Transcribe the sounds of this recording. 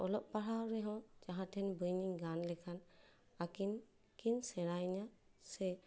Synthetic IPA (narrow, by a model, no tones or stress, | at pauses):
ɔlɔʔpaɦawɾɛɦɔ̃d͡ʒaɦatʰɛnbɯjniŋɡanlɛkʰan | akin | kinsɛɾajnasɛ